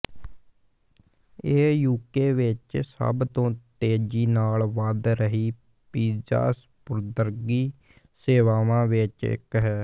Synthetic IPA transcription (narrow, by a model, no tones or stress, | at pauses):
eːjuːkeːʋɪt͡ʃsə̰bt̪õːt̪eːd͡ʒiːnaːlʋəd̪ɾəɦiː | piːd͡ʒa̰ːs | pʊɾd̪əɾɡiː | seːʋaːʋãːʋɪt͡ʃɪ̰kɦɛː